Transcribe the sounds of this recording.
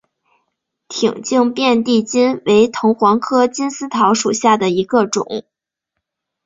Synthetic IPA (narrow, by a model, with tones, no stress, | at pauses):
t̪ʰi˨˩ŋt͡ɕi˥˧ŋpjɛ˥˧nt̪i˥˩t͡ɕi˥nwe˧˥ɪt̪ʰʊ˧˥ŋxwɑ˧˥ŋkʰɤ˥t͡ɕi˥nsɹ̩˥t̪ʰɑ˧˥ʊʂu˨˩ɕja˥˩d̪ə˩i˧˥ɡə˧ʈ͡ʂʊ̰˨˩˦ŋ